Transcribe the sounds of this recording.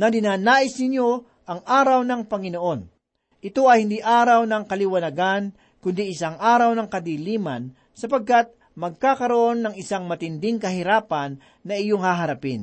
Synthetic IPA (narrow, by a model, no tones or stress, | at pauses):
nɐd̪ɪnaːnaːʔɪsnɪɲo̞ | ʔɐŋʔaːɾawnɐŋpɐŋɪnoʔo̞n | ʔɪt̪o̞ʔɐjhɪnd̪iʔaːɾawnɐŋkɐlɪwɐnɐɡan | kʊnd̪iʔɪsaŋʔaːɾawnɐŋkɐd̪iliːma̰n | sɐpɐɡ̚kat̪̚ | mɐɡ̚kakɐɾoʔo̞nːɐŋɪsaŋmɐt̪ɪnd̪ɪŋkɐɦɪɾaːpɐnː | ɐʔɪjoŋhaɦɐɾɐpɪn